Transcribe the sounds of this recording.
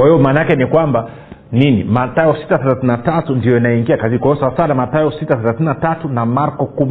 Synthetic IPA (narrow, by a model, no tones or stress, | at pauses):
kwahijɔmaːnaakɛnikwamba | ninimataɔsi̥taθɛlaθinatatundijɔjanajɛiŋɡiakazikɔɔsawasanamataɔsitaθɛlaθinatatunamaɾkɔkum